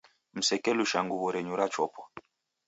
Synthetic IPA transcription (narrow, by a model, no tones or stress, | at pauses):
m̩sɛkɛluʃaŋɡuβɔɾɛɲuɾat͡ʃɔpʰɔ̥